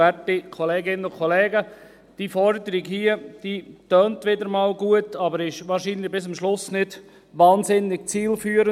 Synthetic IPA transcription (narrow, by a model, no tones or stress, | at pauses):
ɛtikʰɔlɛːɡɪnənʊkʰɔlɛːɡə | d̥iːfɔɾdəɾiɡhiːəd̥iːtœːntʋɪdəɾmɑːlɡuətɑbəɾɪʃʋɑːɾʃiːnlɪbɪs̬əmʃlʊsnɪd̥ | ʋɑːnzɪnːɪɡ̥̚t͡siːlfyːəɾə